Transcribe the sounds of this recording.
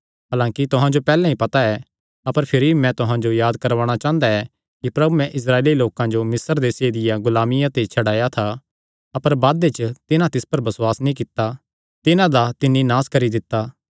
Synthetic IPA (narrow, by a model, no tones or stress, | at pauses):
ɦaːlãːkit̪ʊɦãd͡ʒopɛːlɛ̃ɦĩpɐt̪aɛ | ɐpəɾpʰɪɾimɛ̃t̪ʊɦãd͡ʒojaːd̪kɐɾʋaːɽ̃at͡ʃãːnd̪aɛ | kipɾɐbumɛ̃ʔɪs̬ɾaːeːliloːkãd͡ʒomɪsəɾd̪eseːd̪ɪjãɡʊlaːmɪjãt̪et͡ʃʰɐɽaːjat̪ʰa | ɐpəɾbaːd̪et͡ʃət̪ɪnãt̪ɪspɐɾbɐsʊwaːsnĩkɪt̪ːa | t̪ɪnãd̪at̪ɪnːinaːskɐɾid̪ɪt̪ːa